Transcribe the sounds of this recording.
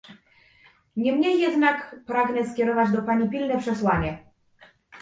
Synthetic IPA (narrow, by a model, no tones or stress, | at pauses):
ɲɛmɲɛjːɛd̪nakpɾaɡnɛskʲɛɾɔvad͡ʑd̪ɔpaɲipʲilnɛpʂɛswaɲɛ